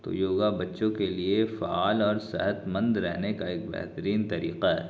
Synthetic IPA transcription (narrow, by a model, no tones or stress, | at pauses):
t̪o̰joːɡabɐtːʃõkeliefaaːlɔːɾsɛ̰ɦət̪mə̃nd̪ɾɛɦnekaeːk̚bɛ̰ɦt̪əɾiːnt̪ɐɾḭːqaɦɛ̰ː